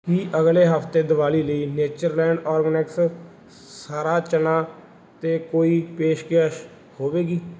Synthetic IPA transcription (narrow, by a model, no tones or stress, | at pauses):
ɦiːʔəɡleːɦəpʰt̪eːd̪əʋaːliːləiːneːt͡ʃəɾlɛ̃ːɳɖɔːɾɡənɛks | saːɾaːt͡ʃənãː | t̪eːkoːiːpeːʃkaʃ | hoːʋeːɡiː